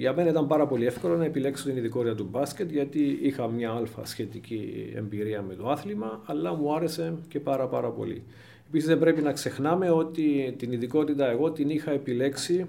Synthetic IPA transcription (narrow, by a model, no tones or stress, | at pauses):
ʝɐme̞nɐit̪ɐmbɐɾɐpo̞lie̞fko̞lɐnɐe̞pile̞ksot̪iniðiko̞t̪it̪ɐt̪ubɐsce̞t̪ʝɐt̪iixɐmɲɐɐlfɐ̰sçe̞t̪iciḛmbiɾiɐme̞t̪oɐθlimɐːlːɐmuɐɾe̞se̞ce̞pɐɾɐpɐ̰ɾɐpo̞̰lḭ | e̞pisizðembɾe̞pinɐkse̞xnɐme̞o̞t̪it̪iniðiko̞t̪it̪ɐe̞ɣo̞t̪inixɐe̞pile̞ksi